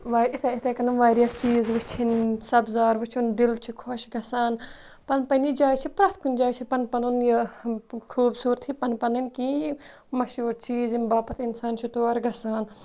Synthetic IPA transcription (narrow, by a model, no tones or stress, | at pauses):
ʋaːʔit̪ɐit̪ɐkɐnɐnʋaːɾijast͡ʃiːzʋɨt͡ʃʰinsɐbzaːɾʋɨt͡ʃʰund̪ilt͡ʃʰikʰoʃɡɐsaːn | pɐnpɐnid͡ʒaːjt͡ʃʰipɾɐt̪ʰkunʲd͡ʒaːjt͡ʃʰipɐnpɐnunjɐ | kʰuːbsuːɾɐt̪ʰhipɐnpɐninki | mɐʃuːɾt͡ʃiːzinbaːpɐt̪ʰinsaːnt͡ʃʰut̪oːɾɡɐsaːn